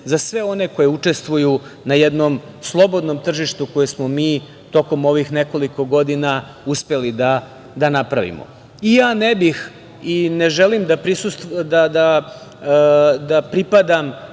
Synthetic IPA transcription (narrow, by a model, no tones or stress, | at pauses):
zasʋe̞o̞ne̞ko̞jeut͡ʂe̞st̪ʋujunajed̪nom | slˠo̞bod̪no̞mt̪r̩ʒiʂt̪uko̞jesmomiː | t̪o̞ko̞mo̞ʋixneko̞liko̞ɡo̞d̪ina | uspe̞lid̪a | d̪anapɾaʋḭmo̰ | ijaːnebix | ineʒelimd̪apɾisust̪d̪ad̪a | d̪apɾipad̪am